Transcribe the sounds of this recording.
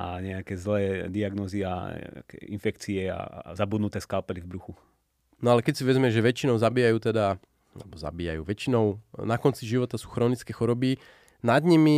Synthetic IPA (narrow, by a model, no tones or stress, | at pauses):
ʔa̰ɲɛakɛːzlɛːd̪iaɡnɔzia̰ɛ̰a̰kɛ̰infɛkt͡siɛa̰zabud̪nut̪ɛːskalpɛɾivbɾuxu | nɔalɛkɛcsiʋɛzmɛʒɛʋɛt͡ʃinɔʊzabiːjajuːt̪ɛd̪a | a̰lɛbɔza̰biːja̰jṵːʋɛt͡ʃinɔʊnakɔnt͡siʒiʋɔt̪asuːxɾɔːnit͡skɛːxɔɾɔbi | nad̪ɲimi